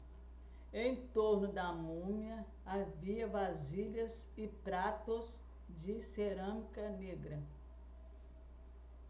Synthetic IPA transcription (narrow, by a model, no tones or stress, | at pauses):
ẽj̃t̪oɾnʊd̪ɐmũmiɐ | aviɐvaziʎɐz | ɪpɾat̪ʊz | d͡ʒɪseɾɐ̃mikɐneɡɾɐ